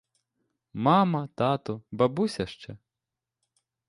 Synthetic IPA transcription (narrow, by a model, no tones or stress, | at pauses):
mɑmɐt̪ɑt̪ʊbɐbusʲɐʃt͡ʃɛ